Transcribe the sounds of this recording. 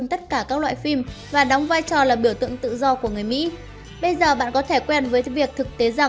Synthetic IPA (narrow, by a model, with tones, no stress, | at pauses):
nt̪ə˦˥t̚kaː˧˩kaː˦˥k̚la̰ː˧˨jfi˧mvaː˨˩ɗɔ˨˦wŋ͡mvaː˧jt͡ɕɔ˨˩laː˨˩ɓi˧˩əwt̪ɨ̰˧˨əŋt̪ɨ̰˧˨zɔ˧ku˧˩əŋɨ˨˩əjmḭ˧˥ | ɓə˧jzəː˨˩ɓa̰ː˧˨nkɔ˨˦t̪ʰe˧˩kwɛ˧nvəː˨˦jvi˨˩ək̚t̪ʰɨ˨˩k̚t̪e˨˦za˨˩